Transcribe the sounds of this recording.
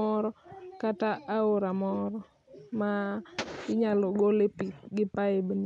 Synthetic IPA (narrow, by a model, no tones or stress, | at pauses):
ɔɾɔkataʔːoɾamɔɾɔ | ma | ɪɲalɔɡolepiɡɪpaɪbni